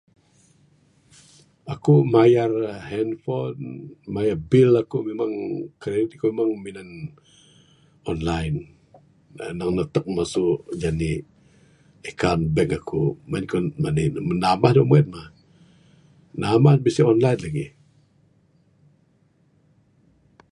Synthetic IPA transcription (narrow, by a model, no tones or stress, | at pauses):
akumajarhɛnfɔnmajarbɪlakumemaŋkɾeit̪ikumemaŋminan | ɔnlajn | naŋnət̪ək̚masʊʔd͡ʒani | ekanbɛkakʰumankɔmanəmənamahdumuɛt̪̚mah | namahbisiɔnlajnlaɡḭ